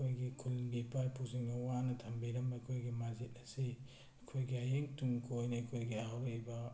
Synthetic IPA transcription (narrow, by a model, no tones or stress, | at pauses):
ojɡikʰulbipajpuziŋɐwanɐtʰɐmbiɾɐmbɐɐkʰojɡimazit̚ɐsi | ɐkʰojɡiajeŋtuŋkʰojnɐɐkʰojɡiawɾɐjbɐ